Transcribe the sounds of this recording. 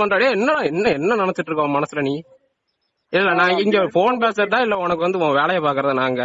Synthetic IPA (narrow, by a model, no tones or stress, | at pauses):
ɐndɾaːɽeɛnːɐlãɛnːɐɛnːɐnɐnɐt̪ːɯʈːɾɯkːãmɐnɐsɪlɐniː | ɪlːɛnãːɡɐɪŋɡeɾɯfoːnpeːsɐɾɐt̪ãːɪlːɐɔnɐk̬ːɯʋɐnd̪ɯɔ̃ːɐʋeːlɐjɐpaːɾkɯɾɐðɯnaːŋɡɐ